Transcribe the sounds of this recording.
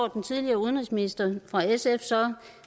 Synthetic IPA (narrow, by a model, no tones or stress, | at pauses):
d̥n̩t͡sʰiðˠliɐːuðˠnʁisminisd̥ɐfʁɑ̈esefsɒ